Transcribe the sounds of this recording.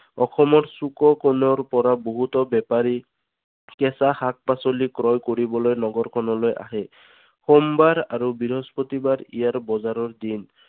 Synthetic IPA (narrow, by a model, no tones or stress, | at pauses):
ɔxɔmɔɹsukɔkonɔɹpɔɹaboɦut̪ɔbɛpaɹi | kɛsaxak̚pasolikɹɔjkoɹibɔlojnɔɡɔɹkʰɔnɔlojʔa̰ɦɛ | xombaɹaɹubiɹɦɔspot̪ibaɹḭjaɹbɔzaɾɔɹd̪in